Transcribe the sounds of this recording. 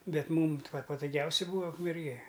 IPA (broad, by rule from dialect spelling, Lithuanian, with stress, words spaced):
ˈbʲɛt ˈmuːm t ʋɐ pɐtʊˈɡʲɛʊsʲɛ ˈbuːɐ ʊkmʲɛrʲˈɡʲeː